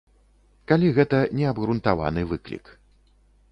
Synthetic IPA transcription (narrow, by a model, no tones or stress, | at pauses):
kalʲiɣɛt̪ɐnʲɛɐbɣɾunt̪ava̰nɨvɨklʲḭk